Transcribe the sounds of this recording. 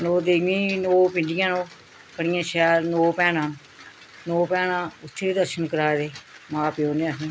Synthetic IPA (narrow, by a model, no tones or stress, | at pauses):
noːd̪eːʋĩːnoːpɪɳɖɪjãːnõː | kəɽɪjãːʃɛːlnoːpɛ̃ːnãː | noːpɛ̃ːnãːʊt̪ʰːeːid̪əɾʃənkəɾaːd̪eːmãːpɪoːnẽːsː